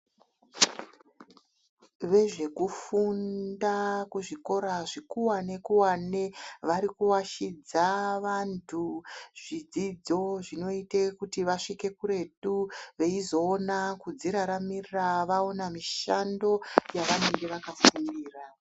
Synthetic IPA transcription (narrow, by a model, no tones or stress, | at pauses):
ʋe̞ʐe̞kufundakuʐiko̞ɾaʐikuwane̞kuwane̞ʋaɾikuwaʃid͡zaʋantʰuʐ̥id͡zid͡zo̞ʐino̞itekutiʋaʂike̞kuɾe̞ɗuʋe̞izo̞ːnakud͡ziɾaɾamirraʋao̞namiʃando̞jaʋane̞ŋɡe̞ʋakafumiːra